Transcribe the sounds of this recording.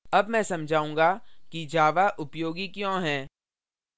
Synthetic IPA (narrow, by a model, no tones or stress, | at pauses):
ɐbmɛ̃ːsɐmd͡ʒʱaːũːŋɡakid͡ʒaːʋaʔʊpjoːɡikjõːɦɛ̃ː